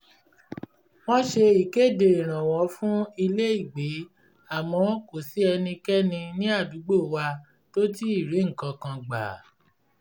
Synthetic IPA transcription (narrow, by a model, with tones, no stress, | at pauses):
w̃ɔ̃˦ʃe˧i˨ke˦˨de˨i˨ɾ̃ã˨w̃ɔ̃˨˦fũ˦i˧le˦i˦˨ɡ͡be˨˦ | a˦˨mɔ̃˨˦ko˨si˨˦ɛ˧nĩ˧kɛ˦nĩ˧nĩ˦a˦˨du˨˦ɡ͡bo˦˨wa˧ | to˦ti˦i˦˨ɾi˨˦ŋ̩˨kã˧kã˧ɡ͡ba̰˨